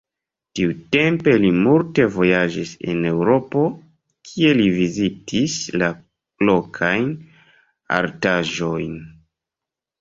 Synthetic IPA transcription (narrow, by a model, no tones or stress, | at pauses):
tiute̞mpe̞limulte̞vo̞jad͡ʒisḛne̞wɾo̞po̞ | kʰie̞livizitʰisla | lo̞kʰajn | a̰ɾtaʒo̞jn